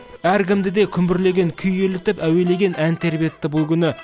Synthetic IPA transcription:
æɾkʲɪmd̪ɪd̪e̞kʲʰʏmbɪɾle̞ɡʲe̞ŋkʲʰʏjelɪt̪ɪpæwe̞le̞ɡʲe̞nʔænt̪ʰe̞ɾbijet̪ːɪbʊlˠkʲʏnɪ

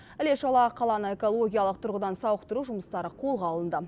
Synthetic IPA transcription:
ɪle̞ʃɑlˠɑqʰɑlˠɑnəe̞ko̞lˠo̞ɡʲijɑlˠəq̚t̪ʰʊɾʁəd̪ɑnsɑwəqt̪əɾuʒʊməst̪ɑɾəqʰo̞lˠʁɑlˠənd̪ə

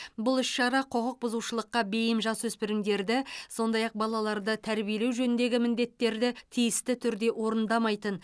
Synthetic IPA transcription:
bʊlˠʏʃʃɑɾɑqʰo̞qəq̚bʊzuwʃəlˠəqːɑbe̞jɪmʒɑswɵspɪɾɪŋd̪e̞ɾd̪ɪso̞nd̪ɑjɑq̚bɑlˠɑlˠɑɾd̪ət̪ʰæɾbije̞le̞wʒɵnɪnd̪e̞ɡʲɪmɪnd̪e̞t̪ːe̞ɾd̪ɪt̪ʰijɪst̪ɪt̪ʰʏɾd̪e̞wo̞ɾənd̪ɑmɑjt̪ən

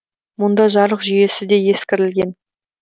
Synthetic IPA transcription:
mʊnd̪ɑʒɑɾˠəqʒʏje̞sɪd̪e̞je̞skʲɪɾɪlɡʲe̞n

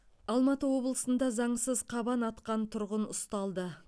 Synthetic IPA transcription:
ɑlˠmɑt̪əwo̞blˠəsənd̪ɑzɑɴsəzqʰɑbɑnɑt̪qɑnt̪ʰʊɾʁənʊst̪ɑlˠd̪ə

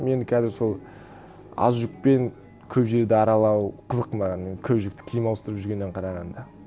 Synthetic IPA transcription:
me̞nɪkʲʰæzɪɾso̞lˠ | ɑ̰zʒʊk̚pe̞ŋ | kʲʰɵpʒe̞ɾd̪eɑɾɑlˠɑwqʰəzəqmɑɑnkʲʰɵbʒɪk̚t̪ɪ̥kʲʰijɪmɑw̪ˠəst̪əɾəpʒʏɾɡʲe̞nːeɴqʰɑɾɑʁɑnd̪ɑ

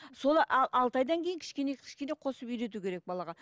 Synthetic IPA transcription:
so̞lˠɑʔɑlˠʔɑlˠt̪ɑjd̪ɑŋkʲʰe̞jɪŋkʲʰɪ̥ʃkʲenekʲʰɪ̥ʃkʲe̞ne̞qʰo̞səpijɾe̞t̪̬ukʲeɾe̞k̚bɑlˠɑʁɑ

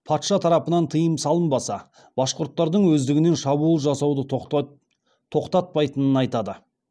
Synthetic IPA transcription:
pʰɑt̪ʃɑt̪ʰɑɾɑpənɑnt̪ʰəjəmsɑlˠəmbɑsɑ | b̥ɑsqʊɾt̪ːɑɾd̪əɴwɵzd̪ɪɡʲɪne̞nʃɑbuːlˠʒɑsɑwd̪ə | t̪ʰo̞qt̪ɑt̪̚pɑjt̪ənənɑjt̪ɑd̪ə

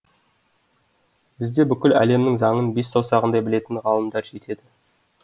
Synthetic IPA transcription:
b̥ɪzd̪e̞bʏkʲɪlæ̰le̞mnɪŋzɑŋənbe̞sːɑwsɑʁənd̪ɑjbɪle̞t̪ɪnʁɑlˠəmd̪ɑɾʒe̞t̪e̞d̪ɪ

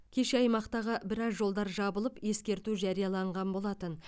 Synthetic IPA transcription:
kʲʰe̞ʃeɑjmɑqt̪ɑʁəbɪɾɑzʒo̞lˠd̪ɑɾʒɑbəlˠəpje̞skʲe̞ɾt̪uʒɑɾijɑlˠɑɴʁɑnbo̞lˠɑt̪ən

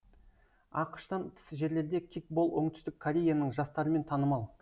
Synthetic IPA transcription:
ɑqə̥ʃt̪ɑnt̪ʰɪ̥sʒe̞ɾle̞ɾd̪e̞kʲʰik̚bo̞lˠwo̞ɴt̪ʰʏ̥st̪ɪkʰːoɾʲe̞janəɴʒɑst̪ɑɾəme̞nt̪ʰɑnəmɑlˠ

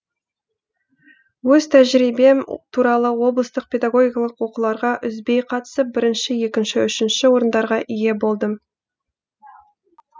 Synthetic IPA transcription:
wɵz̥t̪ʰæʒɾijbe̞mt̪ʰuɾɑlˠəwo̞blˠəst̪əq̚pʰʲe̞d̪aɡo̞ɡʲijkɑlˠəqwo̞qəlˠɑɾʁɑʔʏzbe̞jqʰɑt̪ə̥səp̚bɪɾɪnʃɪje̞kʲɪnʃɪʏʃɪnʃɪwo̞ɾənd̪ɑɾʁɑʔije̞bo̞lˠd̪əm

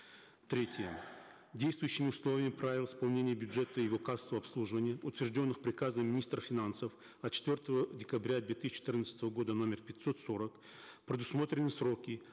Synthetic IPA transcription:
t̪ɾʲetʲɪjə | dʲejst̪vʊjʉɕːɪmʲɪʊslˠo̞vʲɪmʲɪpɾavʲɪlˠɪspɐlˠnʲenʲɪjəbʲʊdʐɛt̪əjɪvo̞kast̪vəɐpslˠuʐɨvənʲɪjəʊt̪vʲɪrʐdʲo̞nːɨxpɾʲɪkazəmʲːɪnʲist̪ɾəfʲɪnansəf | ɐt̪̚t͡ɕɪ̥t̪vʲo̞rt̪əvədʲɪkɐbɾʲad̪vʲet̪ɨisʲt͡ɕt͡ʃːɪt̪ɨrnət̪sət̪əvəɡo̞d̪əno̞mʲɪrpʲɪt̪ʲso̞t̪so̞ɾək | pɾʲɪd̪ʊsmo̞t̪ɾʲɪnɨsro̞kʲɪ

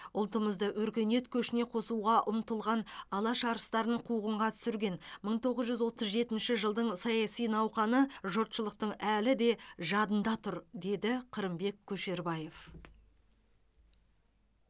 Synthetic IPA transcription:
ʊlˠt̪əməzd̪əwɵɾkʲe̞ne̞t̪kʲʰɵʃɪne̞qʰo̞suʁɑʔʊmt̪əlˠʁɑnɑlˠɑʃɑɾəst̪ɑɾəɴqʰuʁəɴʁɑt̪ʰʏ̥sɪɾɡʲe̞nməɴt̪ʰo̞ʁəzʒʏzwo̞t̪əzʒe̞t̪ɪnʃɪʒəlˠd̪əɴsɑjɑsijnɑwqɑnəʒot̪ʃəlˠəq̚t̪əɴælɪd̪e̞ʒɑd̪ənd̪ɑt̪ʰʊɾd̪e̞d̪ɪqʰəɾəmbe̞kʲʰːɵʃe̞ɾbɑje̞f

